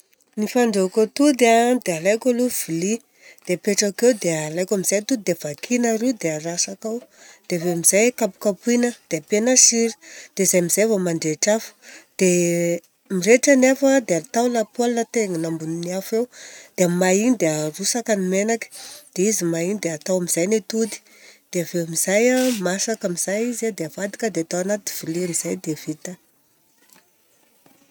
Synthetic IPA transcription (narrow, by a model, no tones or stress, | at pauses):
nifaɳɖ͡ʐekot̪ud̪ad̪ealajkaluv̥ili | d̪̥epeʈ͡ʂakewd̪ealajkamizajt̪ud̪evakʰinaɾid̪eərasakawd̪̥evemiz̥ajkapu̥kapuinəd̪̥eapenaʃiɾi̥d̪̥ezajmizevəmaɳɖ͡ʐeʈ͡ʂafu̥d̪̥e | mireʈ͡ʂanefəd̪eat̪awnapalnət̪eŋinambuniniafewd̪̥emainid̪earusakanimenakə̥d̪̥eizimainid̪eat̪awamiz̥ajnet̪ud̪i̥ | d̪̥eaveamizajamasakamiz̥ajizad̪eavad̪i̥kəd̪eat̪awanat̪i̥v̥iliamiz̥ajd̪ev̥it̪ə